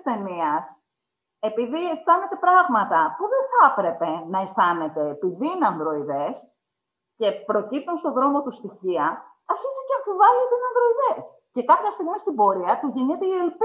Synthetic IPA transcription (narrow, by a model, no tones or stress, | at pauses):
sθe̞niɐs | e̞piðiest̪ɐne̞t̪e̞pɾɐɣmɐt̪ɐpuðeθɐpɾe̞pe̞nɐest̪ɐne̞t̪e̞ːpiðiineɐnðɾo̞iðes | ce̞pɾo̞cip̚t̪unst̪o̞ðɾo̞mo̞t̪ust̪içiɐ | ɐɾçisiceɐɱfivɐlet̪einɐnðɾo̞iðe̞s | ce̞kɐpçɐst̪iɣmist̪ibo̞ɾiɐt̪uʝinet̪eelp